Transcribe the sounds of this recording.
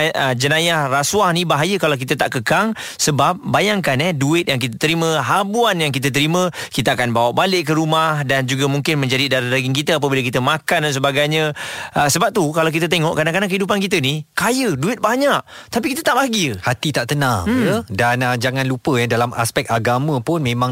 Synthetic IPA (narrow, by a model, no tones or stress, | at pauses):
əd͡ʒənãjahraswahnibaɦajəkalawk̬it̪ət̪aʔkəkaŋ | səbap̚bajaŋkanɛduɪt̪̚jaŋk̬it̪ət̪əɾimə̃ɦabuanjaŋkit̪ət̪əɾimə̃kit̪əakanbawaʔbalɪʔkəɾumahdand͡ʒuɡamuŋkɪnmə̃ɲd͡ʒadidaɾaɾaɡɪŋkit̪əap̬əbilək̬it̪əmãkandans̬əbaɡajɲəəsəbap̚t̪ukalawk̬it̪̬ət̪eŋɔʔkɾadaŋkadakəidup̬ankit̪ənikajəduɪt̪̚baɲaʔ̚t̪apikit̪ət̪aʔbaɡihat̪it̪aʔt̪ənãŋjədanəd͡ʒaŋãnlupəjadalama̰spɛk̚t̪aɡamãpʊnmẽmãŋ